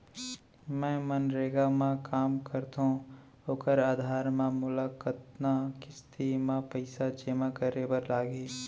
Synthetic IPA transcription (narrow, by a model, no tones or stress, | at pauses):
mɛ̃ːmənɾeːɡamãkaːmkəɾt̪õ | oːkəɾaːd̪ʱaːɾmãmʊlakət̪̚nakɪst̪imãpəɪsad͡ʒemãkəɾebəɾlaːɡeː